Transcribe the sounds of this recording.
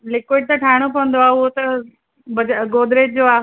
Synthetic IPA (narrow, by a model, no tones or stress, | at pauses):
lɪkoɪɖ̚t̪ɐʈʰaːɽ̃opɐʋə̃nd̪oaɦuɦot̪ɐ | bɐd͡ʑaɡoːd̪ɾet̚d͡ʑoaː